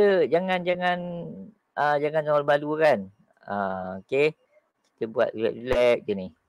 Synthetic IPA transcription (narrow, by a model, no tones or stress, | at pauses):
t̪əd͡ʒaŋand͡ʒaŋan | ʔəd͡ʒaŋansaɔlbadukan | aoke | ki̥t̪əbua̰t̪̚bia̰ʔ̚rilɛk̚d͡ʒəni